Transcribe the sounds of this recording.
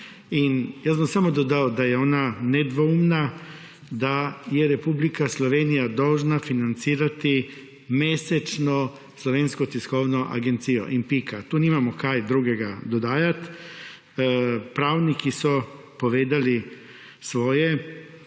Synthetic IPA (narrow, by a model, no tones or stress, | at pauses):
injasbamsamɔd̪ɔd̪awd̪ajɛoːnanɛd̪ʋoumna | d̪ajɛɾɛpublikaslɔʋeːnijad̪ɔwʒnafinant̪siːɾat̪i | meːsɛt͡ʃnɔ | slɔʋeːnskɔt̪iskownɔʔa̰ɡent̪sijɔ̰ʔinpikat̪uːnimamɔkajd̪ɾuːɡɛɡad̪ɔd̪aːjat̪ | pɾaːwnikisɔ | poʋeːd̪ali | sʋoːjɛ